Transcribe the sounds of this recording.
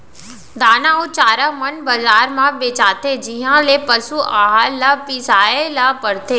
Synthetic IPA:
d̪aːnãot͡ʃaːɾamənbɐzaːɾmãbeːt͡ʃaːt̪ed͡ʒɪɦãlepɐsuʔaːɦalapɪsaːelapɐɽt̪eː

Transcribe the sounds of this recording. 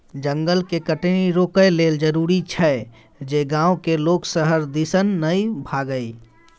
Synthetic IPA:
d͡ʒəŋɡəlkekəʈniɾokəjleld͡ʒəɾuɾit͡ʃʰɛ | d͡ʒeɡãokeloksəɦəɾd̪isənːəjbʱaɡəj

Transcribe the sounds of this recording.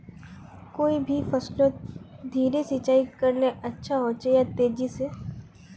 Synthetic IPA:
koːibʱifɐslõd̪ʱiːɾesit͡ʃaːikɐɾneʔɐtːʃʰaɦot͡ʃejat̪eːd͡ʒise

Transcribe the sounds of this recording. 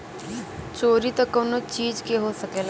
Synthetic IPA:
t͡ʃoːɾit̪okːonot͡ʃiːd͡ʒkeɦosɐkeːl

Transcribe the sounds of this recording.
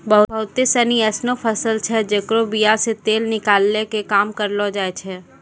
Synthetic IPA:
bɐɦʊbəɦʊt̪ɪsəniɛːsnopʰɐsəlt͡ʃʰɛd͡ʒɐkɾobijaset̪eːlnɪkaːlnekekaːmkɐɾlod͡ʒaːet͡ʃʰɛː

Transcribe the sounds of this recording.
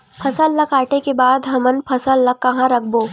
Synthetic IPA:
pʰɐsəlːɐkaːʈekebaːd̪ɦɐmənpʰɐsəlːɐkːɐɦãɾɐkʰboː

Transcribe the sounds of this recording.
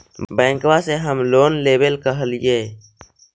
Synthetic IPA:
bɛ̃ːŋkwaseɦəmloːnleːbəlkəɦəlɪjeː

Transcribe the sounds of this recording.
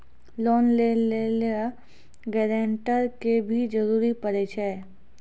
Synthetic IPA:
lɔːnlelelea | ɡɛːɾẽːɳʈəɾkebʱid͡ʒɐɾuːɾipɐɾeːt͡ʃɛ

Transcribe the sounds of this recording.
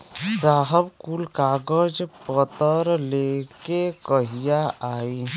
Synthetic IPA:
saːɦəbkulkaːɡəd͡ʒpət̪əɾlekekəɦijaaːi

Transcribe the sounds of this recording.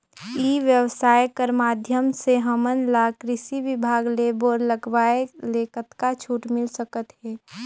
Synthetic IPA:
iʋjəʋsaːjkəɾmaːd̪ʱjəmseɦəmənlakɾɪsiʋɪbʱaːɡleboːɾləɡʋaːeleːkət̪kat͡ʃʰuːʈmɪlsəkət̪ɦɛː

